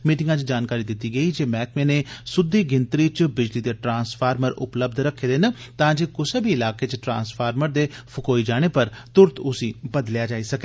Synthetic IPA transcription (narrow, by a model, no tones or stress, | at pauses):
miːʈɪ̃ŋɡãːt͡ʃd͡ʒaːnkaːɾiːd̪ɪt̪ːiːɡəiːd͡ʒeːmɛːkmẽːneːsʊd̪iːɡɪnt̪ɾiːt͡ʃbɪd͡ʒliːd̪eːʈɾãːnspʰaːɾməɾʊ̰pləbd̪ʱɾəkʰːeːd̪ent̪ãːd͡ʒeːkʊseːbʱiɪlaːkeːt͡ʃʈɾã̰ːnspʰaːɾməɾd̪eːpʰʊkoːid͡ʒaːɽ̃eːpəɾt̪ʊɾt̪ʊsĩːbəd̪ljaːd͡ʒaːiːsəkeː